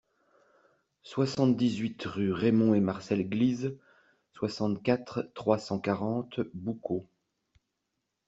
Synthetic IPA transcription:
swasɑ̃t̪d̪izɥit̪ʁyʁemɔ̃emaʁsɛlɡliz | swasɑ̃t̪kʲat̪χt̪ːχwasɑ̃kaʁɑ̃t̪buko

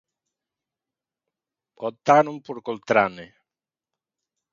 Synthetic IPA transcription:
kɔt̪ːanumpuɾkolt̪ɾane

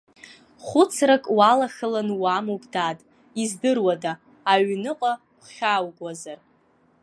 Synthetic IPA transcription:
χʷʊt͡sʰrakʼwalaxɨlanwamupʼdaːtʼ | izdɨrwadaː | ɥnɨqʼa | χʲawɡʷazar

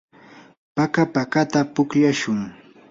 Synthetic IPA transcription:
pakapakat̪apʊkʎaʃʊŋ

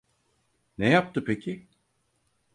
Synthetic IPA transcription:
nɛjap̚t̪ɯpʰecʰi

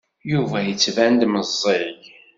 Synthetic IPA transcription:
juvæjət͡sːvænd̪məzˤːeɾj

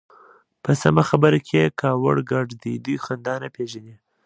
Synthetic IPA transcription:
pəsamaxabəɾakʰekɑwə̰ɽɡaɖd̪id̪ujxand̪ɑnapeʒani

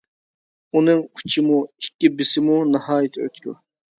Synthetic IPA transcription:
unɨŋu̥t͡ʃʰɪmui̥kʲːibɪsɪmunɨhɑːjɪt̪ʰø̰t̪kʲṵ

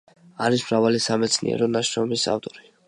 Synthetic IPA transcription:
aɾismɾavalisamɛt̪sʰnḭɛ̰ɾɔnaʃɾɔmisa̰ft̪ʼɔɾi

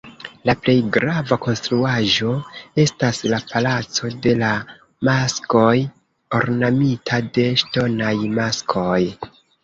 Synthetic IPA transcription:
laple̞jɡɾavako̞nstɾuaʒo̞e̞staslapalat͡so̞de̞la | masko̞j | o̞ɾnamitʰade̞ʃto̞najmaskʰo̞j

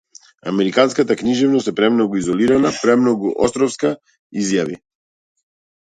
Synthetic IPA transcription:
a̰mɛɾikanskat̪akniʒɛvnɔst̪ɛpɾɛmnɔɡuizɔliɾanapɾɛmnɔɡuʔɔst̪ɾɔfska | izjavḭ

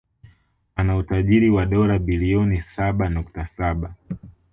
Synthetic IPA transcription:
anautaʄiɾiwaɗɔɾabiliɔnisaɓanuktasaɓa

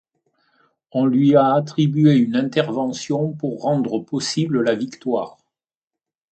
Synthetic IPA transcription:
ɔ̃lɥiaːt̪χibyeynɛ̃t̪ɛʁvɑ̃sjɔ̃puʁːɑ̃d̪ʁəpɔsibləlavikt̪waːʁ

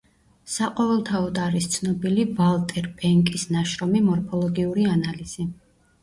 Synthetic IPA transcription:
saqʼɔvɛlˠt̪ʰaɔd̪aɾist̪sʰnɔbilivalˠt̪ʼɛɾpʼɛŋkʼisnaʃɾɔmimɔɾpʰɔlˠɔɡiuɾianaliz̥i

